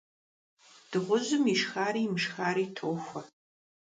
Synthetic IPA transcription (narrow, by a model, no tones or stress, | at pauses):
d̥ɨʁʷʊʑʊmiʂxaːɾiːmɨʂxaːɾiːtʰoːxʷɐ